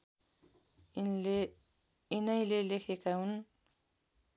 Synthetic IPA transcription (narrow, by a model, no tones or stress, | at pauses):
inʌjlelekʰekaɦun